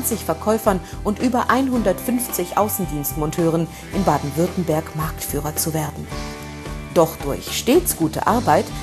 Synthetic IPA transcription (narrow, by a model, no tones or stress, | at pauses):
nt͡sɪçfɛɐkʰɔʏfɐn | ʔʊntʔyːbɐʔaɪnɦʊndɐtfʏnft͡sɪçʔa̰ʊsn̩diːnstmɔntʰøːʁən | ʔɪnbaːdn̩vʏɐtn̩bɛɐkmaɐktfyːʁɐt͡suveːɐdn̩ | d̥ɔχd̥ʊɐçʃteːt͡sɡ̥uːtə̰ʔaɐbaɪt